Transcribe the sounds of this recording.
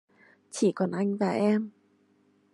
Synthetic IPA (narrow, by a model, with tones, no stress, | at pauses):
t͡ɕi˧˩˦kɔ˨˩nʔa˧jŋ̟vaː˨˩ʔɛ˧m